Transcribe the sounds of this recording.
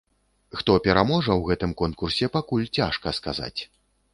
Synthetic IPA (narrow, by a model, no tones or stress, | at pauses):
xt̪ɔpʲɛɾamɔʐɐwɣɛt̪ɨmkɔnkursʲɛpakulʲt͡sʲaʂkɐska̰za̰t͡sʲ